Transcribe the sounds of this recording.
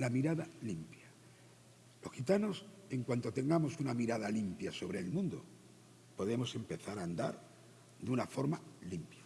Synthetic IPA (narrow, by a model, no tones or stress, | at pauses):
lamiɾaðalimpja | lo̞hxit̪ano̞se̞ŋkwant̪o̞t̪e̞ŋɡamo̞sunamiɾaðalimpjaso̞β̞ɾe̞ːlmũnd̪o̰ | po̞ðe̞mo̞se̞mpe̞θaɾaːnd̪a̰ɾ | ðeunafo̞ɾmalimpjḁ